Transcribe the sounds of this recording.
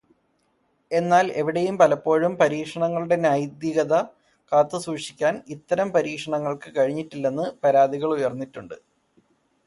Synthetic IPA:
e̞nːaːle̞ʋiɽejumpɐlɐpːo̞ːɻumpɐɾiːkʂɐɳɐŋːɐɭuɽe̞naːjd̪jiɣɐðɐ | kaːt̪ːɨsuːʂi̥kʲːaːnit̪ːɐɾɐmpɐɾiːkʂɐɳɐŋːɐɭkɨkɐɻiɲːiʈːilːe̞nːɨpɐɾaːd̪iɣɐɭujɐrnːitːuɳɖɨ

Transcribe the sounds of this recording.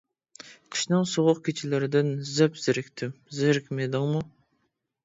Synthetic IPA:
qʰə̥ʃnɨŋsoʁʊq̚kʲʰet͡ʃʰɪlɪɾɪd̪ɪnzɪpz̥ɪɾɪkʲt̪ʰɪmzɪɾɪkʲmed̪ɪŋmu

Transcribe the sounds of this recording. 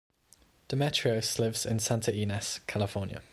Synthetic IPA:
d̥əmɛt͡ʃɹ̥iəʊslɪvzɪ̰̃nsãntʰəiːnɛskʰalɪfɔːnjə̰

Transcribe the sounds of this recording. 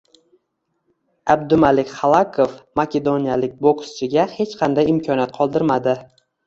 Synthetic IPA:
ab̚d̪ʊmalɪkʲχɑlˠakʰofmakʲe̞d̪onijalɪk̚ʲbokst͡ʃʰɪɡʲahe̞t͡ʃqʰɑnd̪ajɪmkʲʰɒnjat̪qʰɒlˠd̪ɪɾmad̪ɪ

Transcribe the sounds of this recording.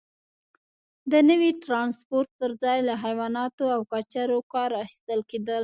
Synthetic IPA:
d̪ənəwiʈɾɑnspoɾt̪̚pəɾzɑjlaɦajwɑnɑt̪oawkat͡ʃaɾokɑɾaxi̥st̪əlked̪əl

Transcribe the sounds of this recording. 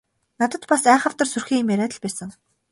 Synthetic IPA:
nat̪ə̆t̪pasæːχə̆w̥t̪ə̆rsurxiːmæɾæːt̪ə̆ɮpæːsə̆ŋ

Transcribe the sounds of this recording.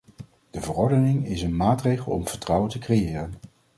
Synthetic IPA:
d̥əvərɔɹdənɪŋɪsənmaːtrejχəlˠɔ̰mv̥əɹtrʌwəntəkrejɪːrən

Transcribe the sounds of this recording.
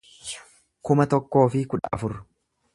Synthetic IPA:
kʊmɐt̪ɔkːo̞ːfɪkʊᶑɐ̰ʔɐfʊrːʊ

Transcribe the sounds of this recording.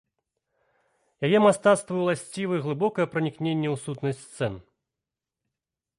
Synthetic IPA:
jajɛmast̪at̪st̪vɐjwlˠasʲt͡sʲivɨɣlˠɨbɔkɐjɛpɾɐnʲiknʲenʲːɛwsut̪nɐsʲst̪sɛn

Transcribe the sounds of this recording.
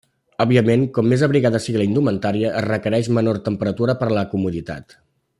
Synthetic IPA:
ɔbiəmeŋkɔmːezəβɾiɣaðəsiɣiləind̪umənt̪aɾiəʔːzrəkəɾɛʃmənort̪əmpəɾət̪uɾəpəɾləkumuðit̪a̰t̪

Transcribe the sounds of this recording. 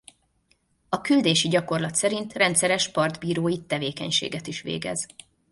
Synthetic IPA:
ɒkyld̪eːʃiɟɒko̞rlɒt̪sɛɾint̪rɛnt̪sɛɾɛʃpɒrd̪biːɾoːjit̪ɛveːkɛ̰ɲʃḛːɡɛt̪iʃʋḛːɡɛ̰z̥

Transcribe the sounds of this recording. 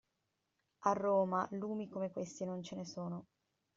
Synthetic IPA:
arːoːmaluːmikomekwest̪inont͡ʃenesoːno

